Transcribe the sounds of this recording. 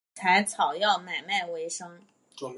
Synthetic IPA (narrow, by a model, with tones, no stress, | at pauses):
t͡sʰa˧˥ɪt͡sʰɑ˨˩ʊjɑ˥˩ʊma˨˩ɪma˥˩ɪwe˧˥ɪʂɤ˥ŋ